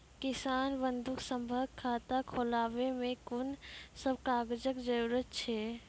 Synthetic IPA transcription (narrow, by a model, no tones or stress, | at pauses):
kɪsaːnbə̃nd̪ʱʊksə̃mbʱəɡkʰːaːt̪akʰoːlaːʋemẽkʊnsəb̚kaːɡəd͡ʒəkd͡ʒəɾuːɾət̪t͡ʃʰɛː